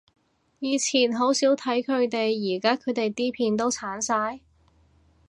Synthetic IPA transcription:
jiː˨˧t͡sʰiː˨˩nɦo˨˥wsiː˨˥wt̪ʰɐ˨˥jkʰɵ˨˧ɥt̪e˨jːiː˨˩kaː˥kʰɵ˨˧ɥt̪e˨jt̪iː˥pʰiː˧nt̪o˥wt͡sʰaː˨˥nsaː˧j

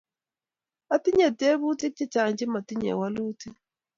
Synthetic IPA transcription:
a˦ti˦ɲɛ˨te˦βu˦ti˦k̚t͡ʃi˦t͡ʃa˨ɲd͡ʒi˦ma˨ti˦ɲɛ̰˨wa˦lu˦ti˦

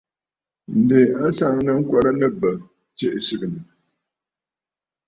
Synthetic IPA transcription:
n̩˨de˨a˦sa˦˨ŋnɨ˦ŋ̩˦kwa˦ɾa˦nɨ˦bə˨ | t͡ʃe˦ʔsɨ˦ɡɨ˨nɨ˨

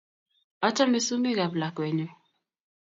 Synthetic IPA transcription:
ɔ˦t͡ʃa˦mi˦su˦mi˦ɣa˨bla˨kwɛ˨ɲɔ˦

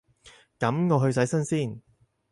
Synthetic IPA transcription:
kɐ˨˥mŋɔː˨˧ɦɵ˧ɥs̬ɐ˨˥jsɐ˥nsiː˥˩n

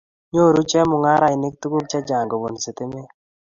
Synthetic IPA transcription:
ɲo˦˨ɾu˦t͡ʃɛ˦mʊ˨ŋa˦ɾa˨ɪ˨nɪ˦k̚t̪u˦ko˦k̚t͡ʃa˦d͡ʒa˨ŋɡɔ˨wo˨n˨sɪ˨t̪ɪ˦me˦

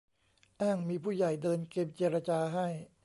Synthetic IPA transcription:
ʔaː˥˩ŋmiː˧pʰuː˥˩ja˨˩jdɤː˧nke˧mt͡ɕeː˧ɾa˧t͡ɕaː˧ɦa˥˩j

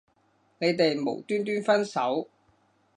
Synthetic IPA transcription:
ne˨˧jt̪e˨jmo̰˨˩wt̪yː˥nt̪yː˥nfɐ˥nsɐ˨˥w

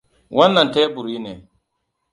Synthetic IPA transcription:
wʔɐ˦nːa˨nte˦bu˨ɾi˦ne˨

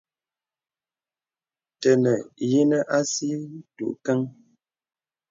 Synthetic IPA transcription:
tə˨nə˨je˦nə˦ʔa˦si˦tṵ˨ʔkɛ˦ŋ

